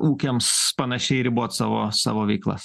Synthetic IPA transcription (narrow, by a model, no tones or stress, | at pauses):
uːkʲemspɐnɐʃʲɛɪɾʲɪbuɔt̪sɑːʋo̰ːsɑ̰ːʋoːʋʲɛɪklˠɐ̰s